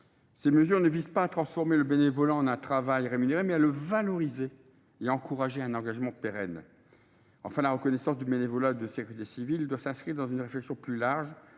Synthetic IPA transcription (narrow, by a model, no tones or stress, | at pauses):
seməzyʁnəvizpaːt̪χɑ̃sfɔʁmeləbenevɔlaɑ̃nɛ̃t̪χavajʁemyneʁemɛaləvalɔʁizeː | aɑ̃kuʁaʒeɛ̃nɑ̃ɡaʒmɑ̃peʁɛn | ɑ̰̃fɛ̃laʁəkɔnɛsɑ̃sd̪ybenevɔlad̪əsekʲyʁit̪esivild̪wasɛ̃skχiʁd̪ɑ̃zynʁeflɛksjɔ̃plylaʁʒ